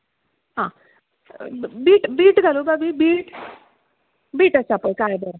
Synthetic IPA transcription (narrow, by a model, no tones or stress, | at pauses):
ɦãː | biːʈbiːʈɡʱalobabibiːʈ | biːʈəsaːpəjkaːebə